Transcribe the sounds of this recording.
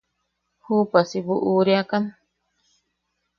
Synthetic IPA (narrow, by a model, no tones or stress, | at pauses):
huːpasibuʔuɾiakan